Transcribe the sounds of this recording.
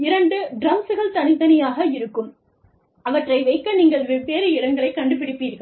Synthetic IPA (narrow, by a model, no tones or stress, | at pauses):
ɪɾɐɳɖɯɖɾɐŋsɯɣɐɭt̪ɐnɪðɐnɐjaːɣɐɪɾɯkːɯm | ɐʋɐʈrɐɪʋɐɪkːɐniːŋɡɐɭʋɪpeːɾɯɪɾɐŋɡɐɭɐɪkːɐɳɖɯpɪɽɪpːiːɾɣɐɭ